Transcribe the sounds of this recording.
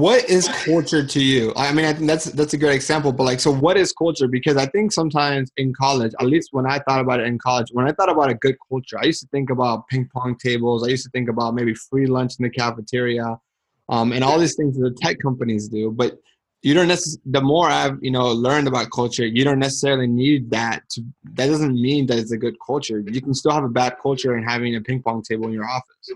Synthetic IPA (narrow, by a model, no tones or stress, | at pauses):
wʌɾɪz̥kʰʌlˠt͡ʃə˞ɾɨjʉʔa̰ɪaɪmĩnaɪθɪ̃ŋk̚ðætsðætsɨɡɹeɪɾɨɡzæ̃mpl̩ˠbʌt̚ˡlaɪksoʊwʌɾɨz̥kʰʌlˠt͡ʃə˞bɨkʰʌzaɪθɪ̃ŋksʌ̃mtʰãɪ̃mzɨ̃nkʰɑlˠɪd͡ʒə̰tˡlist̚wə̃naɪθɔɾəbaʊɾɨɾɨ̃nkʰɑlˠəd͡ʒwə̃naɪθɔɾəbaʊɾɨɡʊd̚kʰʌlˠt͡ʃə˞aɪjʉstəθɪ̃ŋkəbaʊt̚pʰɪ̃ŋ̚pʰɑ̃ŋtʰeɪbl̩ˠzaɪjʉstɨθɪ̃ŋkɨbaʊt̚meɪbifɹilʌ̃nt͡ʃn̩ðɨkʰæfɨtʰɪɹiə | ʔʌ̃mɨ̃ɾ̃ɔlˠðiz̥θɪ̃ŋzðəðɨtʰɛkkʰʌ̃mpɨnizdʉbʌt͡ʃ | ɨɾõʊ̃nːɛsɨsðəmɔɹaɪvjɨnoʊlɜ̃˞ndɨbaʊt̚kʰʌlˠt͡ʃə˞jɨɾõʊ̃nːɛsə̥sɛɹl̩ˠinid̪̚ðætʰɨðɨt̚d̥ʌzɨ̃n̩mĩnðɨɾɨtsɨɡʊd̚kʰʌlˠt͡ʃə˞jɨkn̩stɪlˠəvəbæd̚kʰʌlˠt͡ʃə˞ɨ̃nɦævɪ̃ŋɨpʰɪ̃ŋk̚pʰɑ̃ŋtʰeɪbl̩ˠɨ̃njə˞ɔfə̥s